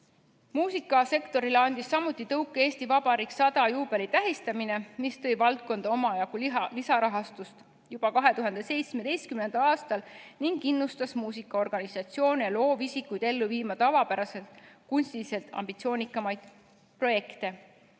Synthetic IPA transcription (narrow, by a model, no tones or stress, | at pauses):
muːsikːˑɑse̞kt̪o̞ɾileɑnd̪̥isːɑmːut̪ːˑit̪ɤwkːˑee̞ːst̪ivɑbɑɾiksɑd̪ɑjuːb̥e̞lit̪æɦist̪ɑmine̞mist̪ɤ̞jvɑlt̪̚ko̞nd̪̥ɑo̞mɑjɑɡ̥ullisɑɾɑɦɑst̪ust̪ | jub̥ɑkɑɦe̞t̪uɦɑnd̪̥e̞se̞jt̪sme̞d̪̥e̞jst̪̚kymne̞nd̪̥ɑlɑːst̪ɑlniŋɡ̥inːust̪ɑsmuːsikːˑɑo̞rɡ̥ɑnisɑt̪sio̞ːnejɑlo̞ːvisikːˑujd̪̥e̞lːuviːmɑt̪ɑvɑpæɾɑse̞lt̪kunst̪ilise̞lt̪ɑ̰mb̥it̪sio̞ːnikːˑɑmɑjd̪̥ | pro̞je̞kt̪e̞